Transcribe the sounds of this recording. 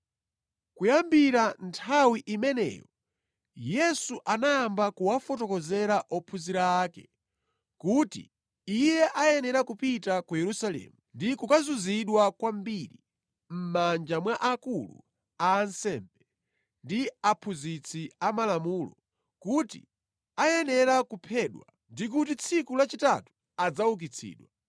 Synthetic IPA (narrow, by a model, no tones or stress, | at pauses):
kujambiɾantʰawiʔimɛnɛ̰jɔ | jɛsuʔanajambakuwafɔtɔkɔzɛɾaʔɔpʰuziɾaːkɛ | kutḭ | ijɛʔajɛnɛɾakupitakujɛɾusalɛ̰ːmundikukazuziɗwakwambiɾi | m̩mand͡ʒamwaʔakulṵ | aːnsɛmbɛ | ndiapʰuzit͡sʰiamalamuːlɔ | kutḭ | ajɛnɛɾakupʰɛɗwa | ndik̬utit͡sʰikulat͡ʃitatu̥ | ad͡zawuk̬it͡sʰḭːɗwa